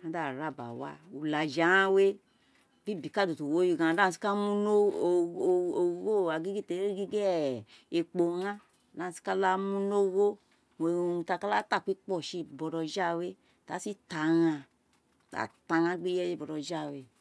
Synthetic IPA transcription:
a˦da˦˨ɾa˦˨ba̰˨wa̰˦u˨la˨d͡ʒa˨˦ã˦we˦ | bi˦˨bi˨ka˦˨do˨to˨wo˨˦ji˧˨ɡã˨da˦˨si̥˦ka˦mu˦no˦˨ | o˨wo˦˨a˨ɡi˦ɡi˦˨te˨˦e˦ɡi˦ɡe˦e˨k͡po˨ŋã˦˨ | da˦˨si̥˦ka˦la˦mu˦no˦wo˦ | mo˨u˧ta˧ka˦la˦ta˦˨kʷi˦k͡pɔ˦˨ʃe˧˨bɔ˨dɔ˧d͡ʒa˦˨we˦˨ | ta˨˦si˦ta˨ɣã˧ | ta̰˨ta˨˧ɣã˦ɡ͡bi˦jɛ˦je˦˨bɔ˨dɔ˨d͡ʒa˦˨we˧

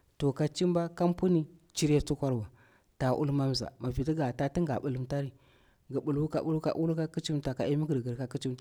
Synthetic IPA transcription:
to˨ka˨t͡ʃi˦mba˦ka˦mpu˦ni˦t͡ʃi˦ɾe˦t͡su˦kʷa˦ɾba˨ | ta˨ʔṵ˦lma˦m˨za̰˨ma˨vi˨ti˦ɡa˨ta˦ti˦ŋɡa̰˨ɓu˨lu˨mta˦ɾi˨ | ɡi˨bu˨lwu˦ka̰˨bu˦lu˦ka̰˨ʔu˦lu˦ka˦ki˦t͡ʃi˦mta˨ka˨ʔi˦mi˦ɡə˨ɾɡə˨ɾka˦ki˦t͡ʃi˦mta˨

